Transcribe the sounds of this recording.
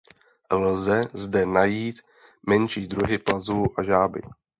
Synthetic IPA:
lzɛzdɛnajiːt̪ | mɛnʃiːd̪ɾuɦɪplazuːʔaʒaːbɪ̰

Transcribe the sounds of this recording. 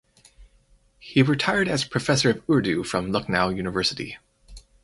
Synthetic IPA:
hiɹɨtʰaɪə˞ɾɨz̥pʰɹ̥ɨfɛsə˞ʌvʊɹdʉfɹʌ̃mlʌk̚naʊjʉñɨvɜ˞sɨɾḭ

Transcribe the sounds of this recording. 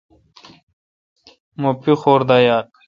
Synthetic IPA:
mopixoːɾd̪ajaːɾk

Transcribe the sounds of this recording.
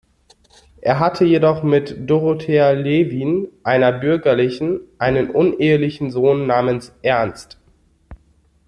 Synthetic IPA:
ʔeːɐɦatʰəjedɔχmɪtd̥oʁotʰeːɐleviːnʔaɪnɐbʏɐɡɐlɪçn̩ʔaɪnənʔʊnʔeːəlɪçn̩zoːnːaːmənsʔɛɐnst

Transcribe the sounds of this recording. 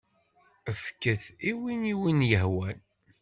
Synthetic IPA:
əfkːəθiwiniwinjəɦwæn

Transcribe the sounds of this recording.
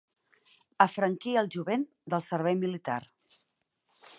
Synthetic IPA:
əfɾəŋkiəlˠʒuβen | d̪əlˠsəɾβɛjmilit̪a̰r

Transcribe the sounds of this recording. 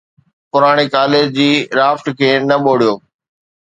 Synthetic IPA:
pʊɾaːɽ̃ekaːleːd͡ʑd͡ʑiːɾaːfʈkʰeːnɐɓoːɽ̤ijoː

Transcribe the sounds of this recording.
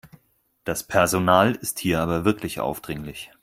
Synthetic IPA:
d̥aspʰɛɐzonaːlɪsthiːɐʔaːbɐvɪɐklɪçʔa̰ʊfd̥ʁɪŋlɪç

